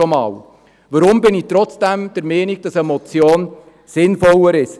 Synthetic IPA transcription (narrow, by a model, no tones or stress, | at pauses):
ɔmɑ̰ːw | ʋəɾʊmbɪniːt̪ɾɔt͡sd̥æmd̥ɛɾmɛːniɡ̥̚d̥ɑsɛmɔt͡sjoːn | sɪnfɔləɾɪʃ